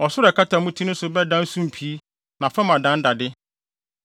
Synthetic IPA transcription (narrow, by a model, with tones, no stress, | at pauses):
ɔ˨sʊ˦ɾɛ˨kʰa˦tʰa˨mʊ̃˦tʰi˦nʊ̃˦n˦sʊ˨bɛ˦dã˦n̩˦sũ˦m̩˨pʰi˨˦ | nã˨fɛ˦mã˨dã˨˦n̩˦da˨dɪ˦